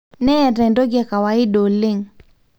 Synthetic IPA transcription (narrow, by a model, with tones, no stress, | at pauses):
nɛ˦ɛ˨ɾɛ˨ndo˦ɡa˨ka˨wa˨ɪ˦ɗo˨lɪ˦ŋ